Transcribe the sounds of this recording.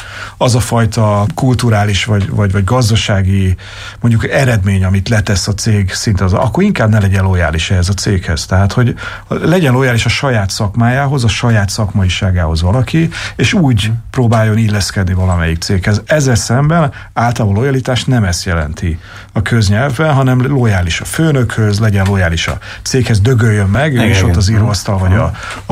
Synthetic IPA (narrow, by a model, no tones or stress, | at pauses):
ɒzɒfɒjt̪ɒkult̪uɾaːliʃvɒɟvɒɟvɒɟɡɒzd̪ɒʃaːɡi | mo̞ɲɟukɛɾɛd̪meːɲɒmit̪lɛt̪ɛsɒt̪seːɡsint̪zɒ̰kːo̞ɾiŋkaːbnɛlɛɟɛnlo̞ja̰ːliʃɛɦɛzɒt̪seːkhɛz̥t̪ɛɦaːt̪ho̞ɟ | lɛɟɛnlo̞jaːliʃɒʃɒjaːt̪sɒkmaːjaːɦozɒʃɒjaːt̪sɒkmɒiʃaːɡaːɦo̞zvɒlɒkieːʃuːɟproːbaːjːo̞nilːɛskɛd̪nivɒlɒmɛjik̚t̪seːkhɛzɛzːɛlsɛmbɛn | aːlt̪ɒlolo̞jɒlit̪aːʃt̪nɛmɛst̪jɛlɛ̰nt̪i | ɒkʰø̞zɲɛlvbɛnɦɒnɛmlo̞jaːliʃɒføːnø̞khøzlɛɟɛnlo̞jaːliʃɒ̰ | t̪seːkhɛzd̪ø̞ɡøjːømːɛɡeːʃot̪ːɒziɾoːst̪ɒlvɒɟɒ